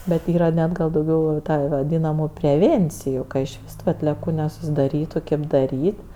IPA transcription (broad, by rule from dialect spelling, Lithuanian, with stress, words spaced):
bʲɛt ˈiːrɐ ˈnʲɛt ɡɐlˠ dɐʊˈɡʲɛʊ jɛʊ ˈtɐ ʋɐˈdʲiːnɐmʊ pʲrʲɛˈʋʲeːnʲt͡sʲɪjʊ ɪʃ ˈʋʲɪs tʊ ɐtʲlʲiɛˈkuː nʲɛsʊsʲɪdɐˈrʲiːtʊ ˈkʲeːp dɐˈrʲiːtʲ